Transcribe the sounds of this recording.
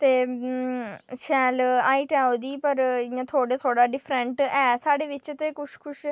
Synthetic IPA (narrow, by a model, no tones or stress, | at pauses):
t̪eː | ʃɛːlaːiːʈɛːod̪iːpəɾɪãːt̪ʰoːɽeːt̪ʰoːɽaːɖɪpʰɾə̃ɳʈɛːsaːɽeːʋɪt͡ʃt̪eːkʊʃkʰʊʃ